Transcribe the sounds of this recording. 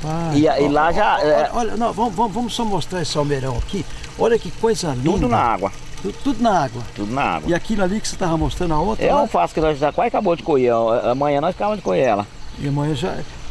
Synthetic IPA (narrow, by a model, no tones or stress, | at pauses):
taɪailaʒaɛɔʎɐnɐ̃w̃vɐ̃mʊvɐ̃mvɐ̃mʊsɔmost̪ɾaesɪawmeɾɐ̃w̃aki | ɔʎɐkɪkojzɐt̪uʊnɐa̰ɡwɐ̰ | t̪ud̪t̪ud̪ʊnɐaɡwɐt̪ud̪ʊnɐ̰a̰ɡwɐiakinalikɪset̪avɐmost̪ɾɐ̃nd̪ɐot̪ẽfasʊ̥kɪnɔzʒakwajkabod͡ʒɪkoheɛamɐ̃jɲɐ̃nɔ̃sakabɐ̃d͡ʒɪkoheɾɛ̰lɐ̰ɪɐmɐ̃j̃ɐ̃ʒa̰